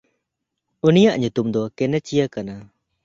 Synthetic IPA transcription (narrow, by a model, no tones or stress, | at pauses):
unijaʔɲut̪umd̪ɔkɛnɛt͡ʃijakana